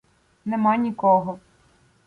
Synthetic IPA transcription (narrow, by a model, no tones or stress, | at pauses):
nɛmɑnʲikɔɦɔ